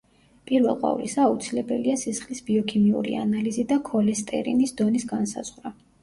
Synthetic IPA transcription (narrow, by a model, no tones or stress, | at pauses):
pʼiɾvɛ̰lˠqʼwa̰vlisaːut̪sʰilɛbɛliasisχlisbiɔkʰimiṵɾḭa̰nalizid̪akʰɔlɛst̪ʼɛ̰ɾḭnisd̪ɔnisɡansa̰z̥ʁɾa